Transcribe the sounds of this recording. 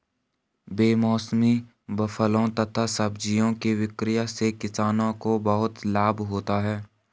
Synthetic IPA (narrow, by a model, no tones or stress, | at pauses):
beːmɔːsmi | bəfəlõt̪ɐt̪ʰasəbd͡ʒijõkiwɪkɾɪjasekɪsaːnõkobəɦʊt̪laːbɦoːt̪aɦɛː